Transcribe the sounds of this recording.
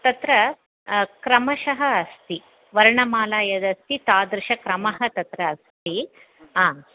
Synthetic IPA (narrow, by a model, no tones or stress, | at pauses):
t̪ɐt̪ɾɐ | kɾɐmɐʃɐɦɐːst̪i | ʋɐɾɳɐmaːlaːjɐd̪ɐst̪it̪aːd̪ɾɪʃɐkɾɐmɐɦɐ̆t̪ɐt̪ɾɐːst̪i | aː